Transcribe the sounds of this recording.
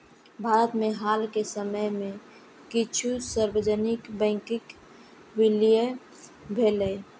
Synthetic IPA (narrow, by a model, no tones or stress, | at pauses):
bʱaːɾət̪mẽɦaːlkesəməjmẽ | kɪt͡ʃʰusəɾbəd͡ʒənɪkbɛ̃ːŋkɪk | wɪlije | bʱelə